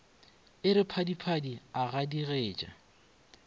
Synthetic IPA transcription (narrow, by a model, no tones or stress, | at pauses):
ɪɾɪpʰadipʰadiaɣadiɣeːt͡ʃʼa̰